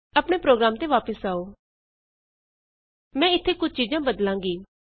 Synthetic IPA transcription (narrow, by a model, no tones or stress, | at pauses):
ɐpɽ̃epɾoːɡɾaːmt̪eʋaːpəsaːoː | mɛ̃ːɪt̪ʰːekʊd͡ʒʱt͡ʃiːd͡ʒãbəd̪lãːŋɡiː